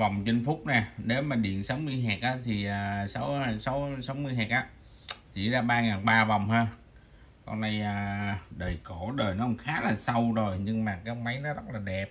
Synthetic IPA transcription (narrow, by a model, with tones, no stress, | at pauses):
vɔ˨˩wŋ͡mt͡ɕə˧nfʊ˦˥k͡p̚naː˨˩ɗe˨˦maː˨˩ɗḭ˧˨nsa˨˦wmɨ˧əjɦɛː˨˩k̚ʔaː˨˦t̪ʰi˨˩ʔaː˨˩sa˨˦wa˧˩sa˨˦wsa˨˦wmɨ˧əjɦɛː˨˩k̚ʔaː˨˦ | t̪ʰḭ˧˩zaː˧ɓaː˧ŋaː˨˩nɓaː˧vɔ˨˩wŋ͡mhaː˧ | kɔ̰˧nʔa˧jəː˧˩ɗəː˨˩jko˧˩ɗəː˨˩jnɔ˨˦hŋ͡mxaː˨˦laː˨˩sa˧wzo˨˩jɲɨ˧ŋmaː˨˩kaː˨˦˥k̚ma˨˦jnɔ˨˦zə˦˥t̚laː˨˩ɗɛ˨˩p̚